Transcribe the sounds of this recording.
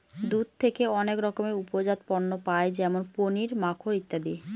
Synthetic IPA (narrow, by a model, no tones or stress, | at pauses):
d̪ud̪̚t̪ʰekeɔnekɾɔkomeupod͡ʑat̪̚pɔnːopaed͡ʑɛmonponiɾmakʰoɾit̪ːad̪i